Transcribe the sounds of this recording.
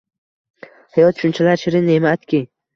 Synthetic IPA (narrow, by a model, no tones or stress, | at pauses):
hajɒt̪ʃʊnt͡ʃʰalaɾʃɪɾɪnemaat̪kʲʰi